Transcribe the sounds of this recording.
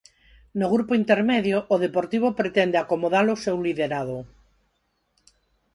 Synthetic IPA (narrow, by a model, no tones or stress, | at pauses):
noɣɾupoint̪eɾmeðjoʔːð̞epoɾt̪iβ̞opɾet̪ɛnd̪eakomoðalosewliðeɾaðo